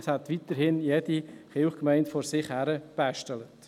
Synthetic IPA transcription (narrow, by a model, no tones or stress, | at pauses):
shæt̪ʋit̪əɾhɪnjɛdiχɪχkmɛɪntfɔɾsɪχhæɾəb̥æʃtɛlət